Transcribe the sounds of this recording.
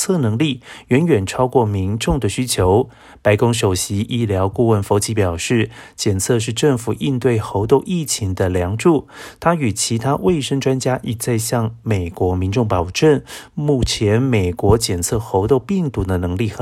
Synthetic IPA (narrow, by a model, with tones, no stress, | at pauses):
t͡sʰɤ˥˩nɤ˧˥ŋli˥˩ɥɛ˧˥nɥɛ˨˩nʈ͡ʂʰɑ˥ʊkwɔ˥˩mi˧˥nʈ͡ʂʊ˥˩ŋd̪ə˩ɕy˥t͡ɕʰjo˧˥ʊ | pa˧˥ɪkʊ˥ŋʂ̬o˨˩ʊɕi˧˥ʔi˥˩ljɑ˧˥ʊku˥˧wə˥˩nfo˧˥ʊt͡ɕi˧˥pjɑ˨˩ʊʂɻ̩˥˩t͡ɕjɛ˨˩nt͡sʰɤ˥˧ʂ̬ɻ̩˥˧ʈ͡ʂɤ˥˩ŋfu˨˩ʔi˥˧nt̪we˥˩ɪxo˧˥ʊt̪o˥˧ʊʔi˥˩t͡ɕʰi˧˥ŋd̪ə˧ljɑ˧˥ŋʈ͡ʂu˥˩t̪ʰa˥y˨˩t͡ɕʰi˧˥t̪ʰa˥wʔe˥˩ɪʂə˥ŋʈ͡ʂwa˥nt͡ɕja˥ʔi˨˩t͡sa˥˧ɪɕjɑ˥˩ŋme˨˩ɪkwɔ˧˥mi˧˥nʈ͡ʂʊ˥˩ŋpɑ˨˩ʊʈ͡ʂə˥˩nmu˥˩t͡ɕʰjɛ˧˥nme˨˩ɪkwɔ˧˥t͡ɕjɛ˨˩nt͡sʰɤ˥˧xo˧˥ʊt̪o˥˧ʊpi˥˩ŋt̪u˧˥d̪ə˧nɤ˧˥ŋli˥˩x